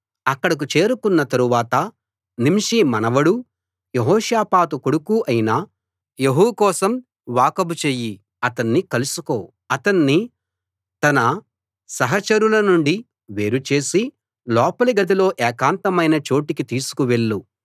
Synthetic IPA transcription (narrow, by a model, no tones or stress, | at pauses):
ɐkːɐɽɐk̬ut͡ʃe̞ːɾukunːɐt̪ɐɾuʋaːt̪ɐ | nimʂimɐnɐʋɐɽu | jeɦɔːʃjaːpaːt̪ukoɽukuʔɐjinaː | jeɦuwkɔːsɐm | ʋaːkɐbut͡ʃeːji | ɐt̪ɐɳːikɐlusuko̞ː | ɐt̪ɐɳːi | t̪ɐnɐ | sɐɦɐt͡ʃɐɾulɐnuɳɖi | ʋe̞ːɾut͡ʃe̞ːsi | lɔːpɐliɡɐd̪ilo̞ːʔɛːkaːnt̪ɐmɐjnɐt͡ʃo̞ːʈikit̪iːsu̥kuʋe̞ɭːu